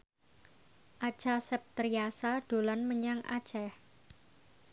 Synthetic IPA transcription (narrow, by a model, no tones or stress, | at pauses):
ʔḁʒ̥asɛp̚t̪ɾiasaɖ̥o̤lanməɲaŋʔa̰̥ʒ̥ɛh